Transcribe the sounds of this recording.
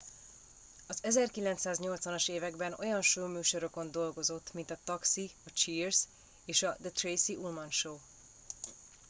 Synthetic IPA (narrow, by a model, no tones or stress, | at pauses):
ɒzɛzɛrkilɛnt̪saːzɲo̞lt̪sʋɒnoʃeːvɛɡbɛno̞̰jɒnʃuːmyːʃo̞ɾø̞ko̞nd̪o̞lɡo̞zo̞t̪ːmint̪ɒt̪ɒksiɒt͡ʃiːrz | eːʃɒd̪ət̪rejsiʔulmɒnʃoː